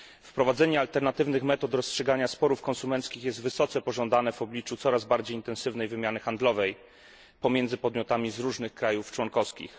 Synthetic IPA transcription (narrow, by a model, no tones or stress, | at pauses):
fpɾɔvad̪zɛɲɛalt̪ɛɾnat̪ɘvnɘxmɛt̪ɔt̪ɾɔstʂɛɡaɲaspɔɾufkɔnsumɛnt̪skʲixjɛst̪vɘsɔt̪sɛpɔʐɔnd̪anɛvɔblʲit͡ʂut̪sɔɾazbaɾd͡ʑejint̪ɛnsɘvnɛjvɘmʲjanɘxand̪lɔvɛj | pɔmʲjɛnd̪zɘpɔd̪mʲjɔt̪amʲizɾuʐnɘxkɾajuft͡ʂwɔnkɔfskʲḭx